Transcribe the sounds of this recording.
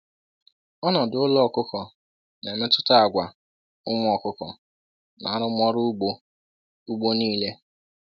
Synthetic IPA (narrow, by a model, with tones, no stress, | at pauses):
ɔ˦nɔ˨dʊ˦lɔ˦˨kʊ˦kɔ˨ | ne˨me˦tʊ˦ta˦a˨ɡʷa˨ | ʊ˦ŋ˦ɔ˨kʊ˦kɔ̰˨ | na̰˨a˦ɾʊ˦mʷɔ˦ɾʊ˦ɡ͡bo˦ | u˦ɡ͡bo˦niː˦le˦